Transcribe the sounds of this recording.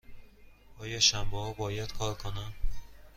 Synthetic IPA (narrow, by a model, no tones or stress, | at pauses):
ɒːjɒːʃæmbɛhɒːbɒːjæd̪̥kʰɒːɾkʰonæm